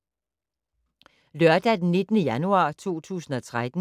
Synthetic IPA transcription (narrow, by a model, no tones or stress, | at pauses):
lɶɐd̥æd̥enːe̝d̥ənəjænuɑ̰̈ːt͡sʰo̝̰ːt͡sʰṵːsn̩ɒ̽t͡sʰʁad̥n̩